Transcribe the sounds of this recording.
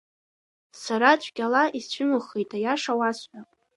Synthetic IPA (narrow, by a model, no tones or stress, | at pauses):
saɾat͡ʃʷʰʼɡʲalaʔist͡ɕʷʰʏmɨχejtʼʰajaʂawasħʷᶣa